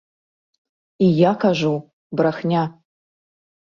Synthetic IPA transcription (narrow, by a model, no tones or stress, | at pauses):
ijakʰaʒʷuw | braxnʲa